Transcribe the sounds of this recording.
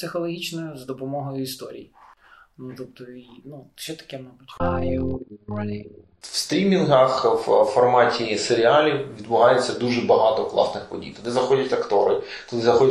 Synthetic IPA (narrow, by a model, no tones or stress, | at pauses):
psɪxɔlˠɔɦʲit͡ʃnɔjʊzd̪ɔpɔmɔɦɔjʊist̪ɔɾʲḭjinut̪ɔp̚t̪ɔinuʃɛt̪ɐ̥kɛmabutʲɑjumɑlʲi | w̥st̪ɾʲimʲinɦɐxfɔrmɑtʲiseɾʲiɑlʲiwʋʲid̪̚bʊɦɑjɛt͡sʲːɐd̪uʒɛbɐɦɑt̪ɔklˠɑ̰snɪxpɔdʲḭjt̪ɔd̪ɪzɐxɔdʲɐtʲɐkt̪ɔɾɪ | t̪ɔd̪ɪzɐxɔdʲ